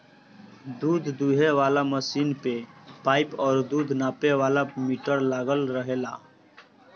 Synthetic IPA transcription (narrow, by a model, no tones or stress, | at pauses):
d̪uːd̪ʱd̪uɦeʋaːlaməsiːnpepaːɪpɔːɾd̪uːd̪ʱnaːpeʋaːlamiʈəɾlaːɡəlɾəɦeːla̰ː